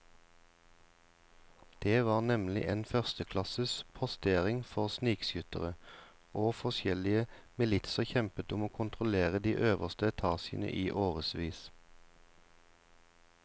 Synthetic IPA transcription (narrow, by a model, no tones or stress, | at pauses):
d̪̥eːʋɑːʁnɛmlɪ̰ʔeːnfœʁst̪əkʰlɑsəspʰɔst̪eːʁɪŋfɔʁsniːksjʏt̪əʁə | ʔoːfɔsjɛlɪəmɪlɪt̪səçɛmpət̪ʊmoːkʰʊnt̪ʁʊleːʁəd̪iːʔøːʋəʁst̪əɛt̪ʰɑːsɪə̰nə̰ʔiːʔoːʁəsʋiːs